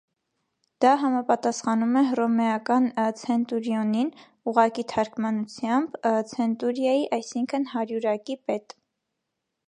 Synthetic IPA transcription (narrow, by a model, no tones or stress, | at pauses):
d̪̥ɑɦɑmɑpɑt̪ɑsχɑnumɛrɔmɛɑkɑnt͡sʰɛnt̪uɾjɔnin | uʁɑkit̪ʰɑɾkmɑnut͡sʰjɑmbt͡sʰɛnt̪uɾjɑjiʔɑjsiŋkʰənhɑɾjuɾɑkipɛt̪